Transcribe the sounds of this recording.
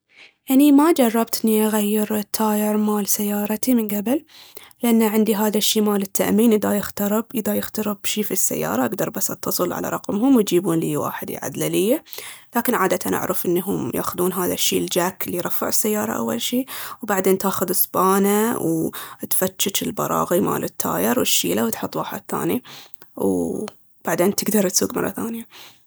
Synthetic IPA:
ʔanimad͡ʒɑrˤːɑbt̪ʔɪnːiʔaɣajːɪɾt̪ʰaːjɪɾmaːlsajːɑːɾˤt̪imɪnɡabɪllɪʔanːaʕɪnd̪iɦaːðaʃːiːmaːlɪt̪ːa̰ʔmiːnʔɪðajɪxt̪ɑɾɪbʔɪðajɪxt̪ɑɾɪbʃiːfisːa̰jːɑ̰ːɾˤɑʔaɡd̪ɑɾˤbasʔɑ̰t̪ʰːɑsˤɨlʕa̰la̰ɾˤɑ̰qmɦʊmwt̪d͡ʒiːbuːnliːwa̰ːħɪd̪ḭʕa̰d̪lalɪjːalaːkɪnʕaːd̪at̪ʰanʔa̰ʕɾɪfʔɪnːɦʊmja̰ːxʊðuːnɦaːðaʃːiːld͡ʒaːkɪlːijɾˤɑfːɪʕɪsːajːɑːɾˤɑ̰ʔa̰wːa̰lʃiːwbaʕd̪eːnt̪aːxʊðɨsˤbaːnawt̪fat̪ːʃat̪ɪlbɑ̰ɾˤɑ̰ːɣima̰ːlʔɪt̪ʰːa̰ːjɪɾwɪʃːiːlawt̪ħʊt̪ːˤwaːħɪ̰d̪θa̰ːniw | b̥aʕd̪eːnt̪ɪɡd̪ɑɾˤt̪suːɡmɑ̰rˤːɑ̰θaːnja

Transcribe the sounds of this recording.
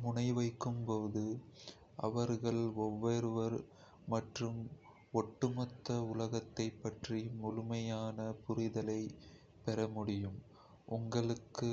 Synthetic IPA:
mʊɳɐɪʋɐɪkːɯmpoːðɯ | ʔɐ̰ʋɐɾɣɐɭɔʋːɐɾɯʋɐɾ | mɐʈrɯm | ɔʈːɯmɐt̪ːɐʊlɐɣɐt̪ːɐɪpːɐʈrimʊlʊmɐjaːnɐpʊɾɪðɐlɐɪ | pɛɾɐmʊɽɪjɯm | ʔʊŋɡɐɭɯkːɯ

